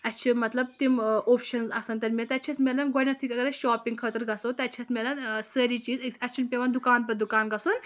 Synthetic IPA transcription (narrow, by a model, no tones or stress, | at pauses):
ɐtːt͡ʃʰimɐt̪lɐb̚t̪imoːpʃɐnzɐsɐnt̪ɐɾmʲɐt̪ɐtt͡ʃʰismʲelɐnɡonʲɐt̪ʰikɐɡɐɾɐʃɔːpĩŋɡkʰət̪ɨɾɡɐsoːt̪ɐtːt͡ʃʰismʲelɐnsəːɾiːt͡ʃiːzɐt͡ʃʰunpʲeʋɐnd̪ukaːnp̬ɐd̪ukaːnɡɐsun